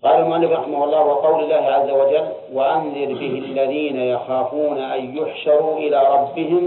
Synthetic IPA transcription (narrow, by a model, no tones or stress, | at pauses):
qɑːlalmʊʔalːɪfɾˤɑħɪmahʊlˤːɑːhwɪqɑwlɪlːaːhɪʕazːawad͡ʒalː | waʔanðɪɾbɪhɪlːaðiːnajɑxaːfuːnaʔajjʊħʃɑɾˤuʔɪlaːɾˤɑbːɪhɪm